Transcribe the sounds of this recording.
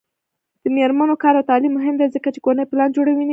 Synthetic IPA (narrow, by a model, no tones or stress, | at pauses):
d̪̥əmeɾmanokɑɾawt̪ɑlimːʊɦɪmd̪ezəkat͡ʃekonəjplɑnd͡ʒoɽawin